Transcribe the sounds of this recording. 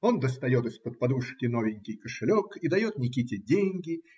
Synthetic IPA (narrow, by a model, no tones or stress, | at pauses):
o̞nd̪əst̪ɐjo̞t̪ɨspət̪̚pɐd̪uʂkʲɪno̞vʲɪnʲkʲɪjkəʂɨlʲo̞kid̪ɐjo̞t̪̚nʲɪkʲitʲɪdʲenʲɡʲɪ